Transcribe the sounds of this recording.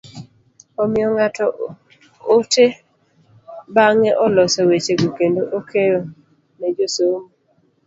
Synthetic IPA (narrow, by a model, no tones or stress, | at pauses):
ɔmɪɔŋatʰɔ | ote | baŋɛʔɔlɔsɔwet͡ʃeɡukendoʔokʰejɔ | ned͡ʒosomo